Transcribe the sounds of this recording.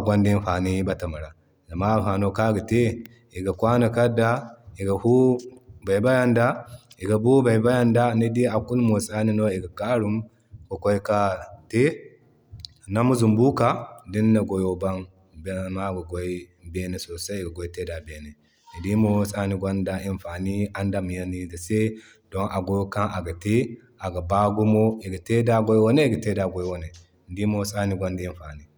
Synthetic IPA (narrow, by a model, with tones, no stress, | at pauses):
ɡʷa˦ndi˦nɸa˨ni˦ba˦ta˨ma˨ɾa˨ | ɡa˨ma˦˨ɸa˨no˦ka˦ɡa˨te˦ | i˨ɡa˨kʷwa˦na˨ka˦dːa˦i˨ɡa˨hu˦ba˨jba˦ja˦nda˦i˨ɡa˨bu˦ba˨ba˦ja˦nda˦ni˦di˦a˨kːu˦lmo˨sa˦ni˦no˦i˨ɡa˨ka˦ɾu˦m | ko˨ko˦i˦ka˦te˦˨ | na˦mu˦zu˨mbu˦ka˨di˦nːa˨ɡo˨jo˦ba˦n | bma˦ɡa˨ɡo˦i˦be˦ne˨so˨se˦i˨ɡa˨ɡo˦i˦te˦da˨be˨ne˨ | i˨di˦mo˦sa˦ni˦ɡʷo˦nda˨i˦nfaː˨ni˦a˦nda˦mi˨ja˦ni˦da˨se˦ | do˦ŋʔa˨ɡo˦jka˦ŋʔa˨ɡa˨te˦ | a˨ɡa˨ba˦ɡu˦mo˦i˨ɡa˨te˦da˦ɡo˦jwo˦ne˦i˦ɡa˨te˦da˨ɡo˦jwo˦ne˨ | di˦mo˦sa˦ni˦ɡo˦nda˨i˦nfa˨ni˦